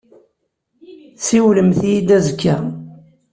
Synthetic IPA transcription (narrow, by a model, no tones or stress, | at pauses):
siwləmθijid̪æzkːa